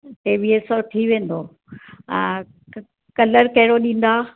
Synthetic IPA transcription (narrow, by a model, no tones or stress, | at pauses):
ʈeːʋieːsɔʈʰiʋẽːn̆d̪õː | kɐləɾkɐɦɪɽoɗĩːn̆d̪aː